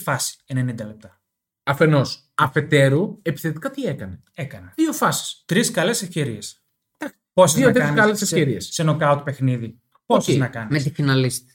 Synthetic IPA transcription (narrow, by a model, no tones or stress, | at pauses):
fɐsi̥ene̞nind̪ɐlep̚t̪ɐ | ɐfe̞no̞s | ɐfe̞t̪e̞ɾue̞pi̥θet̪i̥kɐt̪iekɐne̞ | ekɐneðio̞fɐsi̥st̪ɾiskɐle̞sefce̞ɾies | d̪ɐksiposoɐt̪ɾɐnkɐlesefsceɾiessenokɐut̪̚pe̞xniði | poseznɐkɐnimet̪ifinɐlist̪i̥